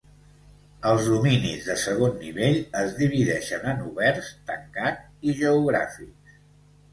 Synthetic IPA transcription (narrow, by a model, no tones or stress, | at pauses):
əlˠzðuminḭzðəsəɣ̞onːḭβ̞eʎəzðiβ̞iðɛʃənənuβɛrst̪əŋkat̪̚ | iʒəuɣɾa̰fiks